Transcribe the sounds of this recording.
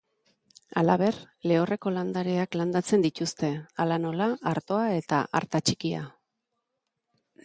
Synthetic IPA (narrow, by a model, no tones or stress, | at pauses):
alaβ̞e̞r | le̞o̞re̞ko̞land̪aɾeakland̪at͡se̞nd̪it̪ust̪e̞alano̞laʔaɾt̪o̞ae̞t̪a̰ʔa̰ɾt̪at͡ʃikia̰